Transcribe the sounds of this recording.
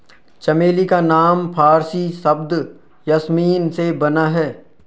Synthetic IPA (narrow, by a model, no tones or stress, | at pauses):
t͡ʃɐmeːlikanaːmpʰaːɾsisɐbd̪ | jasmiːnsebɐnaɦɛː